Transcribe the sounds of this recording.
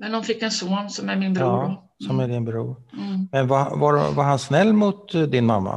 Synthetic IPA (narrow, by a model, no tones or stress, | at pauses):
mɛndɔnfɪkːɛnsoːnsɔmæɾmɪnb | sɔmæd̪ɪnbɾṵːɾmɛnvavaɾvaɾɦansnɛlːmʊt̪d̪ɪnmamːa̰